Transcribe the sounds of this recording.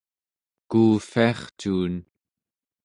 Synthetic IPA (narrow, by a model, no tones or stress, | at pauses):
kuːfiɑχt͡ʃuːn